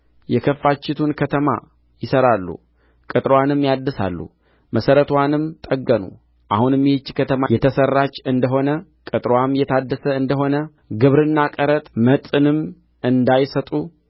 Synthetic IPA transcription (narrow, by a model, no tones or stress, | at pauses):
jɛkʰəfːat͡ʃːɪt̪ʰunkʰət̪ʰəma̰ | jɪsəɾalːṵ | kʼɨt̪ʼɾwanɨmːjad̪ːəsa̰lːṵ | məsəɾət̪wanɨmt̪ʼəɡːənṵ | ʔahunɨmit͡ʃːkʰət̪ʰəmajɛt̪ʰəsərːat͡ʃːɨnd̪əɦo̞nə | kʼɨt̪ʼɾwamjɛt̪ʰad̪ːəsəɨnd̪əɦo̞nə | ɡɨβɾɨnːakʼəɾət̪ʼmət̪ʼɨnɨm | ɨnd̪ajsət̪ʼu